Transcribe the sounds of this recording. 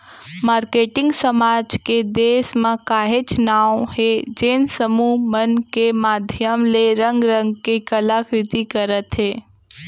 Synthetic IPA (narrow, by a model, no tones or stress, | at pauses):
maːɾkeːʈɪ̃ŋɡsəmaːd͡ʒked̪eːsmãkaːɦet͡ʃnaːwhed͡ʒeːnsəmumənkemaːd̪ʱjəmleɾə̃ŋɡɾə̃ŋɡ̚kekəlakɾɪt̪ikəɾət̪ɦeː